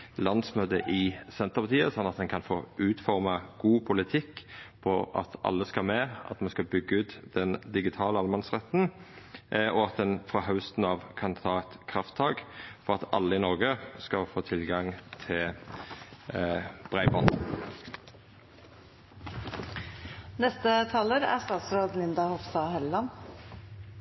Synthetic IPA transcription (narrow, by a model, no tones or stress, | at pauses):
lɑnsmøːd̪əʔɪsɛnt̪əʁpɑt̪ʰiːəsɔnːɑt̪̚d̪ɛnkʰɑnfo̰ːʉːt̪fɔʁmɑɡ̥uːpʰʊlɪt̪ʰɪkːpʰɔʔɑ̰t̪ʔɑ̰lːəskɑmeːɑ̰t̪mɛnskɑbʏɡːəʉːt̪d̪̥ɛnd̪ɪɡɪt̪ʰɑːləɑlmɑnsʁɛt̪n̩ | ɔɑt̪̚d̪ɛnfʁɑɦɑʉst̪n̩ɑːʋkʰɑnt̪ʰɑːɛt̪kʰɾɑft̪ʰːɑːɡfɔʁɑt̪ɑ̰lːəɪnɔʁɡəskɑfoːt̪ʰɪlɡɑŋt̪ʰɪl | b̥ʁæɪbɔn | nɛst̪ət̪ʰɑːləɾæ̰st̪ɑːt̪sɾoːd̪nɪnd̪ɑhɔfst̪ɑhɛllɑn